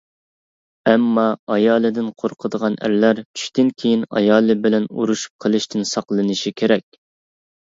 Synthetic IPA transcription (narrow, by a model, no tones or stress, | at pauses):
ɛmːɑɑjɑːlˠɨd̪ɪnqʰoɾqʰəd̪əʁɑnæ̰ɾlæɾt͡ʃʰy̥ʃt̪ɪnkʲʰejinɑ̰jɑːlˠɨbɪlɛnṵɾuʃu̥p̚qʰəlˠɨʃt̪ʰɪnsɑqlˠɨnɨʃikʲʰeɾɛkʲ